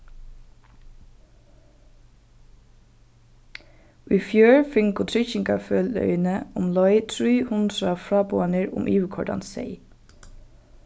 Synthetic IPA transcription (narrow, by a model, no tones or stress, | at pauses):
ʔiːfjøːɹfɪŋɡʊt̪ʰɾʏçɪŋkɑføːlœ̰ʏnəʊmlɔʏt̪ʰɹyːhʊnd̪ɾəɑfɹɑːbuːɑnəɹʊ̰mʔiːʋəkʰɔ̰ɖɑ̰nsḛɪ